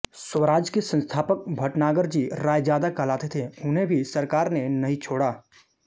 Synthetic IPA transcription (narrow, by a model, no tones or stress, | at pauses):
səʋɾaːd͡ʒkesə̃nst̪ʰaːpək̚bʱɐʈnaːɡəɾd͡ʒiɾaːjd͡ʒjaːd̪akəlaːt̪et̪ʰeʊnɦẽbʱisəɾkaːɾnenɐɦĩt͡ʃʰoːɽaː